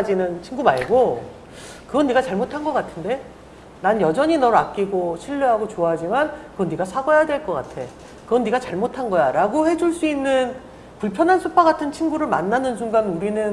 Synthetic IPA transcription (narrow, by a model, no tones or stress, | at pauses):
d͡ʑinɯnt͡ɕʰiŋɡumaɭɡo | kɯɡʌnːiɡat͡ɕaɭmotʰanɡʌk͈atʰɯnde̞ | nanjʌd͡ʑʌɲinʌɾak̚k͈iɡoɕʰiʎːuɦaɡot͡ɕoaɦad͡ʑimankɯɡʌnːiɡasʰaɡʌjadwe̞ɭk͈ʌk͈a̰tʰe̞ | kɯɡʌnːiɡat͡ɕaɭmotʰanɡʌjaɾaɡohe̞d͡ʑuɭs͈uinːɯn | puɭpʰjʌnɦansʰupʰaɡatʰɯnt͡ɕʰinɡuɾɯɭma̰nːanɯns̬ʰuŋɡamuɾinɯn